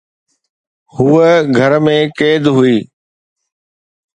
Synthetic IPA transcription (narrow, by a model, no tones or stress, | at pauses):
huːəɡʱɐɾmẽkeːd̪ɦʊiː